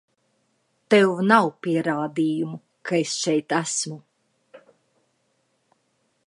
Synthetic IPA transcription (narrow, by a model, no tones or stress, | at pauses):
t̪ewvnawpiɛɾaːd̪iːjumu | kʰaesʃɛjt̪æsmu